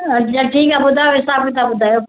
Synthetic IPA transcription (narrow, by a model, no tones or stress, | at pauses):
d͡ʒaʈʰiːkabʊd̪ʱaːjoɪsaːbĩt̪abʊd̪ʱaːjo